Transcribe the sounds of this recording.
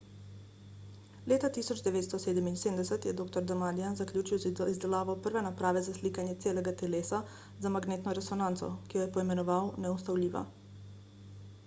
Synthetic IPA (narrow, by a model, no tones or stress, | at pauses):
leːt̪at̪isɔd͡ʒd̪ɛʋeːt̪st̪ɔseːd̪ɛminseːmd̪ɛsɛt̪jɛd̪oːkt̪ɔɾd̪amaːd̪ijanzakljuːt͡ʃiwzizd̪ɛlaːʋawpəɾʋɛnapɾaːʋɛzasliːkanjɛt̪seːlɛɡat̪ɛleːsa | zamaɡneːt̪nɔɾɛsɔnãnt̪sɔ̰kijɔjɛpɔimɛnɔʋawnɛust̪awlʲiːʋa̰